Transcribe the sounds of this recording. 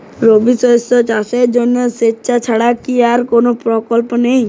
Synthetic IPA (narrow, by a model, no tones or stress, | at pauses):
ɾobisɔsɔt͡ʃaseɾd͡ʒɔnɔsetːt͡ʃʰat͡ʃʰaɽakiaɾkonopɾɔkɔlpɔnej̃